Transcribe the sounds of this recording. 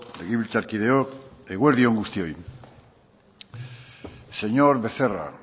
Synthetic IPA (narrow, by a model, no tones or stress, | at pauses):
d̪eɣiβilt͡ʃaɾkiðeokeɣweɾðio̞ŋɡust̪io̞j | se̞ɲoɾβe̞θera̰